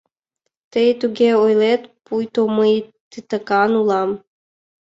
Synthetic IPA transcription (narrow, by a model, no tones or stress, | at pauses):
t̪əjt̪uɣʲeojlet̪pujt̪oməjt̪ɨt̪əkɑnulˠɑm